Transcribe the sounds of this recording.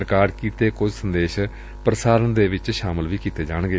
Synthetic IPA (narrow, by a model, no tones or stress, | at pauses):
ɾkaːɾkiːt̪eːkʊd͡ʒsənd̪eːʃ | pɾəsaːɾənd̪eːʋɪt͡ʃʃaːməlʋiːkiːt̪eːd͡ʒaːɳ̃ɡeː